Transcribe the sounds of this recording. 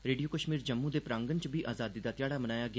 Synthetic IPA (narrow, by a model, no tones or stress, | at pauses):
ɾeːɖijoːkəʃmiːɾd͡ʒəmːũːd̪eːpɾãːŋɡənt͡ʃbiːʔaːzaːd̪iːd̪aːt̪ɪjaːɽaːmənaːjaːɡɪ